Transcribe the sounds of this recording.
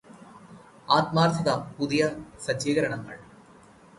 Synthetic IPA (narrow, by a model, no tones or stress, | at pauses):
aːt̪maːrt̪ʰɐðapuðijɐsɐd͡ʑeːɣɐɾɐɳɐŋːɐ̰ɭ